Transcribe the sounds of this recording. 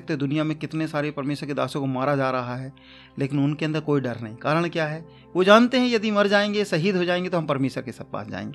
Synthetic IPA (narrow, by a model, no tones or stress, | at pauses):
k̚t̪od̪ʊnijamẽkɪt̪nesaːɾepɐɾmeːʃəɾked̪a̰ːsõkomaːɾad͡ʒaːɾɐɦaɦɛ | leːkɪnʊnkeɐ̃nd̪əɾkoːiɖɐɾnɐɦĩkaːɾəɽ̃kjaːɦɛː | ʋod͡ʒaːnt̪eɦɛ̃jɐd̪imɐɾd͡ʒaːẽːŋɡesɐɦiːd̪ɦod͡ʒaːẽːŋɡet̪oɦɐmpɐɾmeːʃəɾkesɐb̚pa̰ːsd͡ʒa̰ːḛ̃ŋɡe